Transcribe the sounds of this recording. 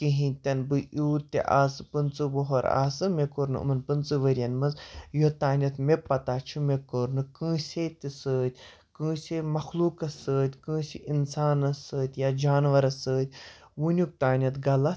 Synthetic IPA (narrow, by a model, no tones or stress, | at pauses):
kiɦĩt̪ʲɐnbɨʔuːt̪ʲːḛʔa̰ːsɨpɨnt͡sɨboɦoɾa̰ːsɨmʲekoɾnɨ̰ɨ̰mɐnpɨnt͡sɨʋəɾʲɐnmɐnzjot̪aːnʲɐt̪mepɐt̪aːt͡ʃʰumekoɾnɨkɨ̃ːsʲet̪ʲisəːt̪ʲ | kɨ̃ːsʲemɐxluːkɐsəːt̪ʲkɨ̃ːsiʔinsaːnɐsəːt̪ʲjad͡ʒaːnʋɐɾɐsəːt̪ʲ | wunʲuk̚t̪aːnʲɐt̪ɡɐlɐ